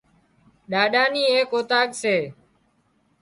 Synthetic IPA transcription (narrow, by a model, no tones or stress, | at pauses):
ɗaːɗaːniːeːkoːt̪aːɠseː